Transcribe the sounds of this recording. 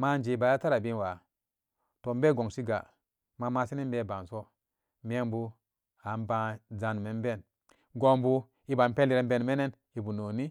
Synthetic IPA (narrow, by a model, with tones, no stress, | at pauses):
ma˦˨n˦d͡ʒe˨ba˨ja˦ta˦ɾa˨bi˦n˨wa˨ | to˨m˦be˦˨ɡo˨ŋsi˦ɡa̰˨ | ma˨ma˦si˦ni˦m˦be˦˨ba˨n˨so˦ | me˦bu˦ | a˨nba˦za˨n˨me˨m˦be˦˨n | ɡo˦mbu˦ | i˦ba˨mpe˦li˨ɾe˨˦mbe˦nme˦ne˦n | i˨bu˨no˨ni˦